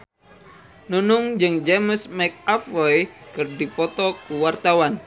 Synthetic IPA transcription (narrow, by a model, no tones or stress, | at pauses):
nunʊŋd͡ʒɨŋd͡ʒeməsmɛk̚afɔjkɨrdifɔt̪ɔkuwart̪awan